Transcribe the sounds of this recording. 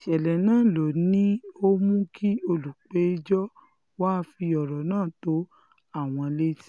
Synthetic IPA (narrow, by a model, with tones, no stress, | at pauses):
ʃɛ˨lɛ˨nãː˦˨lo˨nĩ˦o˦mũ˦kʰi˦o˧lu˨k͡pe˨˦d͡ʒɔ˦ | waː˦fi˧ɔ˨ɾɔ˨nãː˦˨to˨˦ | a˦˨w̃ɔ̃˧le˦ti̥˦